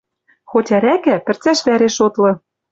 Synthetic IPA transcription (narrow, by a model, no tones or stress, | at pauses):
xotʲæɾækæpɘ̆rt͡sæʃβæɾeʃot̪lɤ̆